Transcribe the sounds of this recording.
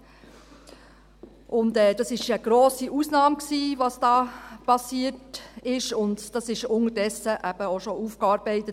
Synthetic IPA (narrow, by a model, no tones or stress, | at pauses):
ʔʊndɛːd̥ɑsɪʃəɡ̥ɾoːsiʔusnɑːmksiːʋɑsd̥ɑːpɑsiətɪʃʊndd̥ɑsɪʃʊnədɛsəʔæb̥əoʃoufkɑːɾbɛɪtə